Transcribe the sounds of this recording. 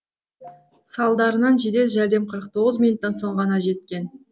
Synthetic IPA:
sɑlˠd̪ɑɾənɑnʒed̪e̞lʒæɾd̪e̞mqʰəɾəq̚t̪ʰo̞ʁəzminut̪ːɑnso̞ɴʁɑnɑʒe̞t̪̚kʲe̞n

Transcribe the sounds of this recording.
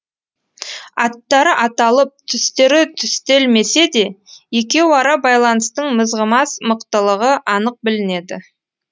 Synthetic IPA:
ɑt̪ːɑɾəʔɑt̪ɑlˠəp̚t̪ʰʏst̪e̞ɾɪt̪ʰʏst̪e̞lme̞se̞d̪e̞jekʲe̞wɪɑɾɑbɑjlˠɑnəst̪əɴməzʁəmɑsməqt̪əlˠəʁəʔɑnəq̚bɪlɪne̞d̪ɪ̰

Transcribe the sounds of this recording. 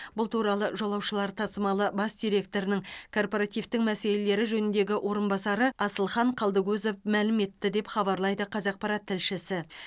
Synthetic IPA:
bʊlˠt̪ʰuɾɑlˠəʒo̞lˠɑwʃəlˠɑɾt̪ʰɑsəmɑlˠəbɑsd̪ijɾe̞k̚t̪o̞ɾɪnɪŋkʰo̞rpoɾɑt̪ijvt̪ɪŋmæse̞le̞le̞ɾɪʒɵnɪnd̪e̞ɡʲɪʔwʔo̞ɾənbɑsɑɾəɑsəlˠχɑɴqʰɑlˠd̪əɡɵzofmælɪme̞t̪ːɪd̪e̞pχɑbɑɾlˠɑjd̪əqʰɑzɑq̚pɑɾɑt̪ʰːɪlʃɪsɪ

